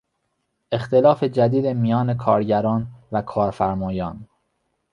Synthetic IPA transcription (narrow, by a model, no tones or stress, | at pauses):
ʔe̞xt̪elɒːfe̞d͡ʒæd̪iːd̪emijɒːne̞kʰɒːɾɟæɾɒːnvækʰɒːɾfæɾmɒːjɒːn